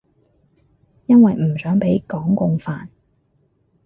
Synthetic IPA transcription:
jɐ˥nwɐ˨jm̩˨˩sœː˨˥ŋpe˨˥jkɔː˨˥ŋkʊ˧ŋfaː˨n

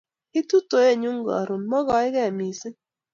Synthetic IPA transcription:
i˦tu˦to˨˦e˦˨ɲu˦ŋ˦ɡɔ̰˨ɾʊ˨nmɔ˦ɣɔ˨˦ɪ˦ɣɛ˦˨mi˨si˦n

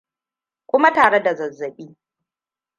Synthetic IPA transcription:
kʷʊ˦ma˦taː˨ɽe˦da˨zɐ˨zːɐ˨ɓiː˦

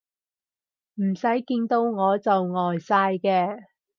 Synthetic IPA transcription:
m̩˨˩sɐ˨˥jkiː˧nt̪o˧wŋɔː˨˧t͡sɐ˨wŋɔː˨jsaː˧jkɛː˧

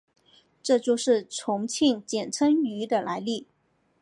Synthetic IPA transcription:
ʈ͡ʂɤ˥˧t͡ɕjo˥˧ʊʂɻ̩˥˩ʈ͡ʂʰʊ˧˥ŋt͡ɕʰi˥˩ŋt͡ɕjɛ˨˩nt͡sʰə˥ŋy˧˥d̪ə˧la˧˥ɪli˥˩

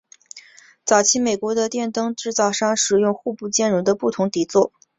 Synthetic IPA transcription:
t͡sɑ˨˩ʊt͡ɕʰi˧˥me˨˩ɪkwɔ˧˥d̪ə˧t̪jɛ˥˧nt̪ɤ˥ŋʈ͡ʂɻ̩˥˧t͡sɑ˥˩ʊʂɑ˥ŋʂɻ̩˨˩jʊ˥˧ŋxu˥˧pu˥˩t͡ɕjɛ˥˩nɻu˧˥d̪ə˧pu˥˩t̪ʰʊ˧˥ŋt̪i˨˩t͡swɔ˥˩

